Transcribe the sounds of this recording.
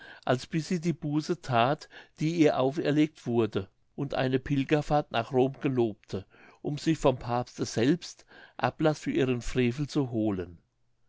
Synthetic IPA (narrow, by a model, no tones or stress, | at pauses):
ʔalsb̥ɪsiːdiːbuːsətʰaːtd̥iːiːɐʔaʊfɛɐleːk̚tv̥ʊɐdə | ʔʊntʔa̰ɪnəpʰɪlɡɐfaːɐtnaːχʁoːmɡ̥əloːp̚tʰə | ʔʊmzɪçfɔmpʰaːpstəz̥ɛlpstʔa̰plasfyːɐʔiːʁənfʁ̥eːfl̩t͡suɦoːlən